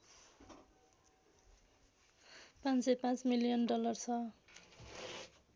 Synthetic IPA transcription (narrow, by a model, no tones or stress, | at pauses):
pãnsepãt͡smilijʌnɖʌlʌrt͡sʰʌ